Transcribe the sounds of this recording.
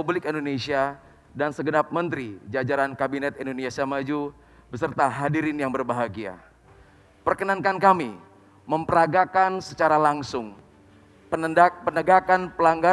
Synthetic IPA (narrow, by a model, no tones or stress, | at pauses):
ublɪkɛndonesia | dansəɡənap̚mənt̪ɾid͡ʒad͡ʒaɾankabinɛt̪indoniasiamad͡ʒu | bəsərt̪aɦadiɾɪnjaŋbərbaɦaɡia̰ | pərkənankankami | məmpəɾaɡakansət͡ʃaɾalaŋsʊŋ | pənəapənəɡakanpəlaŋɡa